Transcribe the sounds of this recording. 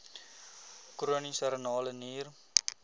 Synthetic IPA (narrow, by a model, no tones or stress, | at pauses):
kuɾonisɐɾnɔːlniːɾ